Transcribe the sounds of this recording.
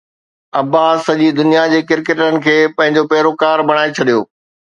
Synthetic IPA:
ɐbasɐʄid̪ʊnijad͡ʑeːkɪɾkeʈənɪ̆kʰeːpɐ̃ɦɪ̃ɲd͡ʑopɛɦɾokaːɾbʱɐɽ̃aːet͡ɕʰɐɗijo̰ː

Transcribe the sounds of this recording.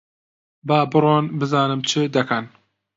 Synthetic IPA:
baːbɨɾonbɨzɑːnɨmt͡ʃʰɨd̪ɐkʰɐn

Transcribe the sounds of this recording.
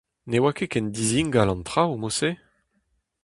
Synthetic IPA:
newakekɛnd̪iziŋɡalɑ̃nt̪ʁawmose

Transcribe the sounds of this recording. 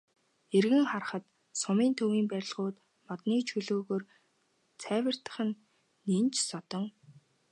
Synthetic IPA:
erɣɘ̆ŋχar̆χə̆t̪ | sʊmiːnt̪ʰɵwiːmpæɾʲɪ̆ɮʁʊːt̪ | mɔt̪niːt͡ɕʰɵɮoːɣoːr | t͡sʰæːwʲə̆r̥t̪ə̥̆χɘ̆nː | int͡ɕsɔt̪ɞ̆ŋ

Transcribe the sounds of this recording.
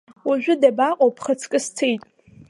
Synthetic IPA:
waʒᶣʷʊdabaqʼowpʰχat͡sʰkʼɨst͡sʰejtʼ

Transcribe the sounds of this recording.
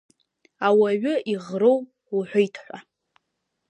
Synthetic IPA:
awaɥʏʔiʁrow | uħʷajtʰħʷa

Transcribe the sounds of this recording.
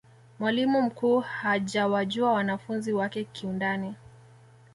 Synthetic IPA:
mwalimum̩kuːhaʄawaʄuawanafunziwakɛkiundani

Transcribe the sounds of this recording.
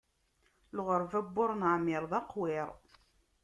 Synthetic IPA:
lʁəɾvæbːʊɾˤnaʕmɪɾˤðˤɑqwɪɾˤ

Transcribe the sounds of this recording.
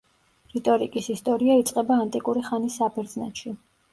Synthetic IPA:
ɾit̪ʼɔɾikʼisist̪ʼɔɾiait̪sʼqʼɛbaːnt̪ʼikʼuɾiχanisːabʰɛɾd̪zna̰t̪ʃi

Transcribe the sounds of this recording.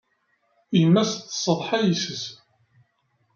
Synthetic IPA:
imːæst̪ːsˤːəðˤħajisəs

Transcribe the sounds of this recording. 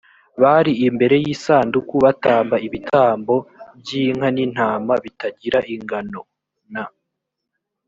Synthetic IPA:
βaɾiːmbe̞ɾe̞jiːsaːndukuβataːmbaiβitʰaːmbo̞bɟiŋ̥hanin̥haːmaβitaɟiɾaʔiŋɡano̞ | na

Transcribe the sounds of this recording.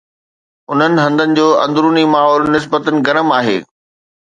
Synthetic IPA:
ʊn̤ənɪ̆ɦɐ̃nd̪ənɪ̆d͡ʑoːɐ̰̃nd̪ɾuːnimaːɦɔːlnɪs̬bət̪ənɪ̆ɡɐɾəmaːɦḛː

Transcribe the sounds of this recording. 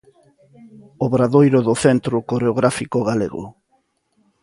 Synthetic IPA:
oβɾaðojɾoðoθent̪ɾʊkoɾeoɣɾafikoɣ̞alḛɣo̰

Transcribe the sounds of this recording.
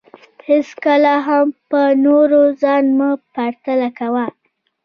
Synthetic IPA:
heskalaɦampənoɾozɑnmupaɾt̪alakawa

